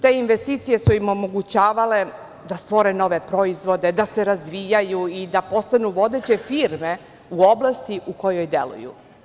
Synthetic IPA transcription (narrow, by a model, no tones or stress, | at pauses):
t̪e̞inʋest̪iːt̪sije̞suimo̞mo̞ɡut͡ɕaːʋale̞ | d̪ast̪ʋo̞ɾe̞no̞ʋe̞pɾo̞izʋo̞d̪e̞d̪ase̞ɾazʋijajuid̪apo̞st̪anuʋo̞d̪et͡ɕe̞fiɾme̞ | uo̞blˠast̪iʔuko̞jo̞jd̪e̞̰lṵjṵ